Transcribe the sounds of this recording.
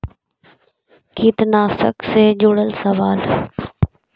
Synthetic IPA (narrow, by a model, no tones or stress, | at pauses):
kit̪naːsə̰ksed͡ʒoɽəlsəʋaːl